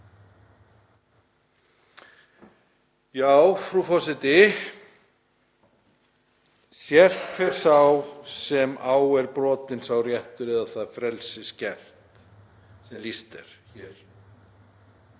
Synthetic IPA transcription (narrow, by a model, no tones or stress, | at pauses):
jaːwfɾufɔsɪt̪ɪ | sjɛr̥ʰfɛɾ̥sawsɛmaːwɛɾpɾɔːt̪ɪnsawrjɛht̪ʏɾɛðaθaðfɾɛlsɪscɛr̥t̪ | sɛmlist̪ɛ̰ɾ̥çɛɾ̥